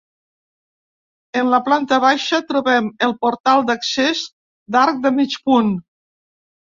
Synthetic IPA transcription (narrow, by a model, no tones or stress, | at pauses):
ənləplant̪əβaʃət̪ɾuβɛməlˠpuɾt̪alˠd̪əksez | d̪aɾk̚d̪əmit͡ʃpun